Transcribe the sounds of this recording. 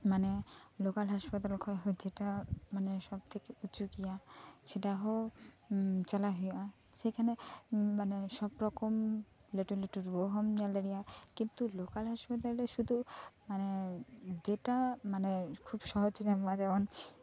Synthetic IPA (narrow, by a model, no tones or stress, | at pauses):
mane | lokalɦaʃpat̪̬alkʰɔjɦɔed͡ʒeʈamaneʃɔb̚t̪ʰekeut͡ʃukijaʃeʈaɦo | t͡ʃalaɦuja | ʃejkʰanemaneʃɔbɾɔkɔm | leʈuleʈuɾboɦɔmijalaɽijakint̪ulokalɦaʃpat̪̬aleʃud̪ʱumaned͡ʒeʈamanekʰubʃɔɦɔd͡ʒd͡ʒamad͡ʒabɔn